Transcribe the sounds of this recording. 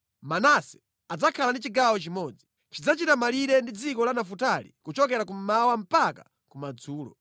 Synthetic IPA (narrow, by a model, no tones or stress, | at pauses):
manasɛ̥ | ad͡zakʰalandit͡ʃiɡawɔt͡ʃimɔd͡zi | t͡ʃid͡zat͡ʃitamaliɾɛndid͡zikɔlanafutalḭkut͡ʃɔkɛɾakum̩mawam̩paka | kumad͡zuːlɔ̰